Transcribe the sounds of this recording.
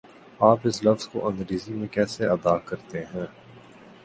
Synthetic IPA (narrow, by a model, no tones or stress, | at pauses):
aːpɪslɐfz̥ko̰ʔɐ̃nɾiːzimẽkɛːseɐd̪aːkɐɾt̪eɦɛ̃ː